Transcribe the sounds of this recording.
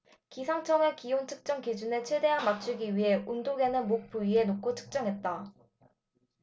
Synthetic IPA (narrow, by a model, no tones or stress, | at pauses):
kisʰaŋt͡ɕʰʌŋɯɭkiont͡ɕʰɯk̚t͡ɕ͈ʌŋkid͡ʑune̞t͡ɕʰwe̞de̞ɦanmat͡ɕʰuɡiɥiɦe̞ʔundoɡe̞nɯnmok̚p͈uie̞nokʰːot͡ɕʰɯ̥k̚t͡ɕ͈ʌŋɦe̞t̚t͈a